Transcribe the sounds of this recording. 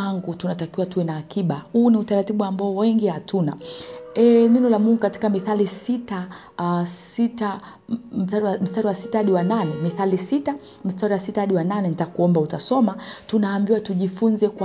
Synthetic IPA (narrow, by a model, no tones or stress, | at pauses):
aŋɡutunatakiwatuwɛnaːkiɓahuːniutaɾatiɓuambaɔwɛŋɡihatʰuna̰ɛnɛnɔlamuŋɡukati̥kamiθalisita | sita | aɾm̩staɾiwasi̥tahaɗiwananɛmiθalisita | m̩staɾiwasitahaɗiwananɛnitakuɔmbautasɔmatunaːmbiwatuʄifunzɛkw